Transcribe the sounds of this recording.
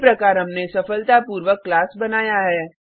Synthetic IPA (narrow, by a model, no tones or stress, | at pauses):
pɾɐkaːɾɦɐmnesɐfəlt̪apuːɾʋəkːlaːsbɐnaːjaɦɛː